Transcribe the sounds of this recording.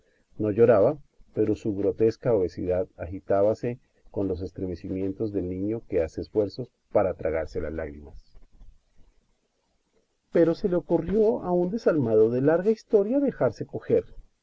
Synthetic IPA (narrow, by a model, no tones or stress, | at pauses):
no̞ʝo̞ɾaβape̞ɾo̞suɣɾo̞t̪e̞skaoβe̞sḭðaðaxit̪aβase̞ | ko̞nlo̞s̬e̞st̪ɾeme̞simjẽ̞nt̪o̞zðe̞lnĩɲo̞ke̞ase̞ːsfwe̞ɾso̞s | paɾat̪ɾaɣaɾse̞la̰zlaɣɾimas | pe̞ɾo̞se̞le̞o̞kurjo̞aund̪e̞salmaðo̞ðe̞laɾɣaist̪o̞ɾjaðe̞xaɾse̞ko̞xe̞ɾ